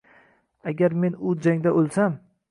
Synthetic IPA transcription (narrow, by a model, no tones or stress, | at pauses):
aɡʲaɾme̞nʊd͡ʒaŋd̪aʔolˠsam